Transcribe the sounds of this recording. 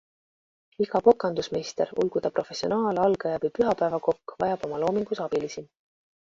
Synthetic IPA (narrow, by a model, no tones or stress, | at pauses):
iɡ̥ɑpo̞kːˑɑnd̪usmest̪eɾṵlɡ̥ud̪̥ɑpro̞fe̞sio̞̰nɑːlɑlɡ̥ɑjɑbipyɦɑpæevɑko̞kːvɑ̰jɑb̥o̞mɑlo̞ːmiŋɡ̥usɑb̥ilisi